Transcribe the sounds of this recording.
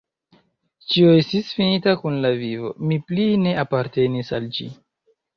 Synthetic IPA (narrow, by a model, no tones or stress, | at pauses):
t͡ʃioe̞stisfinitakunlavivo̞̰mipline̞apaɾte̞nisald͡ʒḭ